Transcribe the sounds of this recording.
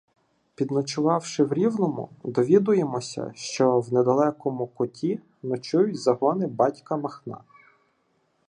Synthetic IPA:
pʲid̪nɔt͡ʃʊʋɑwʃɪwɾʲiwnɔmʊ̰d̪ɔʋʲid̪ʊjemɔsʲɐ̰ʃt͡ʃɔwned̪ɐlˠɛkɔmʊkɔtʲʰi | nɔt͡ʃujʊtʲzɐɦɔnɪbɑtʲkɐmɐxnɑ̰

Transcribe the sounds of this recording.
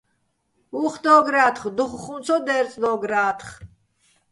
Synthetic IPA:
uχd̪ɔːɡɾaːt̪χd̪uχχumt͡sʰɔd̪ɛːɾt͡sʼd̪ɔːɡɾaːt̪ʰχ

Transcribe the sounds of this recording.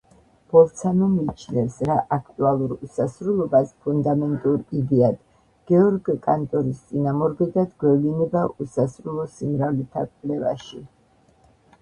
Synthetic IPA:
b̥ɔlˠt̪sʰanɔmiːt͡ʃʰnɛfsɾaʔakʰt̪ʼualˠuɾusasɾulˠɔbaspʰund̪amɛnt̪ʼuɾid̪ɛad̪ | ɡ̥ɛɔɾɡkʼant̪ʼɔɾist̪sʼinamɔɾɡɛd̪ad̪ɡwɛvlinɛbaʔusasɾulˠɔsimɾavlɛt̪ʰa̰kʼlɛva̰ʃi

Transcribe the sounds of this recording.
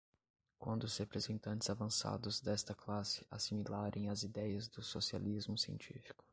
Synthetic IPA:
kwɐ̃nd̪ʊʊzhepɾezẽnt̪ɐ̃nt͡ʃɪz̥avɐ̃sa̰d̪ʊzd̪ɛst̪ɐklasɪ̥asimilaɾʔẽj̃ɐzid̪ɛjɐzd̪ʊsosia̰lizmʊsiḛ̃nt͡ʃifi̥kʊ̥

